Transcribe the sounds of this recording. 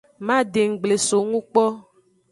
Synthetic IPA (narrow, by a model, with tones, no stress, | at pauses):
mã˦ɖe˨ŋ̩˨ɡ͡ble˨so˨ŋũ˦k͡pɔ˦